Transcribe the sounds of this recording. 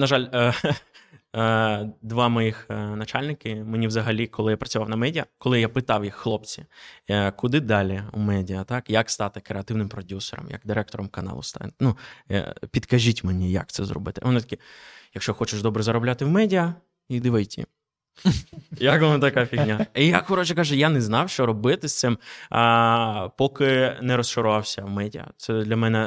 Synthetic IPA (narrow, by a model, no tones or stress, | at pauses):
nɐʒɑlʲə | d̪ʋɑmɔjixnɐt͡ʃalʲnɪkɪmenʲiʋzɐɦɐlʲikɔlˠɪjapɾɐt͡sʲʊʋɑwnɐmɛdʲiɐkɔlˠɪjapɪt̪ɑwjixːlˠɔp̚t͡sʲi | kʊd̪ɪd̪ɑlʲiumɛdʲiɐt̪ɑkjɐkst̪ɑt̪ɪkɾeɐt̪ɪwnɪmpɾɔdʲusɛɾɐ̰mjɐ̰ɡd̪ɪɾɛk̚t̪ɔɾɔmkɐnɑ̰lˠʊ̰st̪ɑ̰nṵ | pʲid̪kɐʒʲitʲmenʲijɐ̰kt̪sɛ̰zrɔ̰bɪt̪ɪʋɔnɪt̪ɐkʲijɐkʃt͡ʃɔxɔt͡ʃɪʃd̪ɔbɾɛzɐɾɔblʲat̪ɪwmɛdʲiɐ | id̪ɪʋɐjtʲḭ | jɐkʋɔnɐt̪ɐkapʲixnʲaijaxɔɾɔt͡ʃɛkɑʒɛjanɛznɑwʃt͡ʃɔɾɔbɪt̪ɪst̪sɪm | pɔkɪnɛɾɔst͡ʃɔɾʊʋɑwsʲɐwmɛdʲiɐ̰t̪sɛd̪ʲlʲɐmɛnɛ